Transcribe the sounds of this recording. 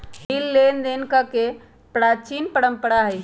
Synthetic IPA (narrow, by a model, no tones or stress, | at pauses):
ɦilːend̪enkake | pɾat͡ʃinpəɽəmpəɽaɦəj